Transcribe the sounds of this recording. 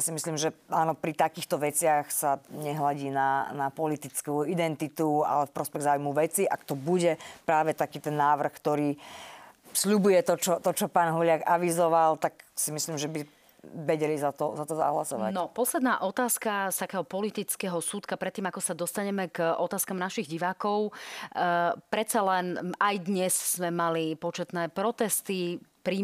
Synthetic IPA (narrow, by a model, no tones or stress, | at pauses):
jasimisliːmʒɛaːnɔpɾit̪akiːxt̪ɔʋɛt͡sɪaxsaɲɛɦlaɟiːnanapɔlit̪it͡skuid̪ɛnt̪it̪ua̰lɛfpɾɔspɛɣzaːujmuʋɛt͡siʔa̰kt̪ɔbuɟɛpɾaːʋɛt̪akiːt̪ɛnːaːʋr̩xkt̪ɔɾiː | sʎubujɛt̪ɔt͡ʃɔt̪ɔt͡ʃɔpaːnɦɔlɪaɡaʋizɔʋalt̪aksimisliːmʒɛbi | ʋɛɟɛlizat̪ɔzat̪ɔza̰ɦlasɔʋa̰nɔpɔslɛd̪naːʔɔt̪aːskast̪akɛːɦɔpɔlit̪it͡skɛːɦɔsuːt̪kapɾɛt̪ːiːmakɔsad̪ɔst̪aɲɛmɛkʔɔt̪aːskamnaʃiɣɟiʋaːkɔʊ | pɾɛt̪t͡salɛnajd̪ɲɛsz̥ːmɛmalipɔt͡ʃɛt̪nɛːpɾɔt̪ɛst̪ipɾiː